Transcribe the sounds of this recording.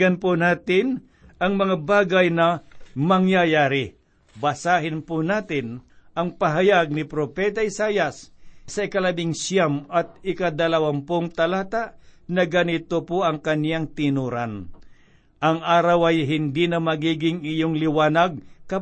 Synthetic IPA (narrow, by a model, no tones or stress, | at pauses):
anpʊnaːt̪ɪn | ʔɐŋmɐŋabaːɡajnɐmɐŋjajaːɾɪ | bɐsaːhɪnpʊnaːt̪ɪnʔɐŋpɐɦajaɡ̚nɪpɾopɛt̪aɪsaːjɐssɐɪkɐlɐbɪŋsjamɐt̪̚ɪkad̪ɐlɐwanpoŋt̪ɐlaːt̪aʔnɐɡanɪt̪opoʔɐŋkɐnjaŋt̪ɪnuːɾan | ʔɐŋʔaːɾɐwɐjɦɪnd̪inɐmɐɡiːɡɪŋɪjoŋlɪwaːnaɡ̚kɐ